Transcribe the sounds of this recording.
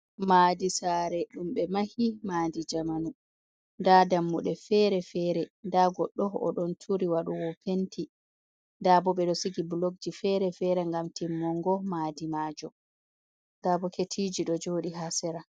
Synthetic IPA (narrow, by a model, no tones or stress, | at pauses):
maːdisaːɾɛɗumɓɛmahimaːdid͡ʒamanu | ndadamːuɗɛfɛɾɛfɛɾɛndaɡɔɗːɔɔ̰ɗɔntʰuɾiwaɗuwɔpʰentʰi | daːbɔɓɛɗɔsiɡibloɡ̚d͡ʒifɛɾɛfɛːɾɛŋɡamtimːɔŋɡɔmaːdimaːd͡ʒɔ | dabɔketʰiːd͡ʒiɗɔd͡ʒoːɗiɦasɛɾa